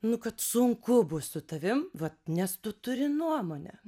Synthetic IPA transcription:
nʊkɐt̪sʊŋkʊbʊssʊt̪ɐʋʲɪmʋɐt̪̚nʲɛst̪ʊt̪ʊɾʲɪnuɔmoːnʲɛ̰

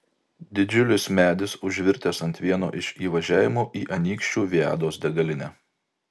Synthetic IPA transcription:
d̪ʲɪd͡ʒʲʊlʲɪsmʲæːd̪ʲɪsʊʒʲʋʲɪɾʲt̪ʲeːsɐnʲt̪ʲʋʲiɛno̰ːʔɪʃʲiːʋɐʒʲæːʋʲɪmoːʔiːʔɐnʲiːkʃʲt͡ʃʲuːʋʲiæ̰ːd̪oːsd̪ʲɛɡɐlʲɪnʲɛː

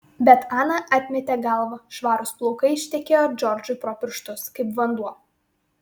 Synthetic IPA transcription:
bʲɛt̪ɑːnɐʔɑːt̪ʲmʲɛt̪ʲeɡɐlˠʋɐʃʋɑːɾʊsplˠɔʊkɐɪɪʃʲt̪ʲɛkʲeːjod͡ʒʲɔɾʲd͡ʒʊpɾɔːpʲɪɾʃt̪ʊskɐɪpʋɐnd̪uɔ

